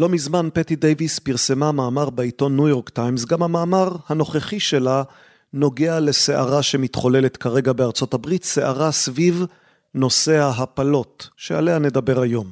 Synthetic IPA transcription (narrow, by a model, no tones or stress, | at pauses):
lo̞mizmanpetidejvispiʁsemamaːmaʁbeito̞nːujo̞ʁktajmzɡamhamaːmaʁhano̞χeχiʃe̞la | no̞ɡeale̞seʔaʁaʃe̞mitχo̞le̞letkaʁe̞ɡabe̞aʁt͡so̞tabʁitse̞ʔaʁasviv | no̞se̞aɦapalo̞tʃea̰lehane̞dabe̞ʁajo̞m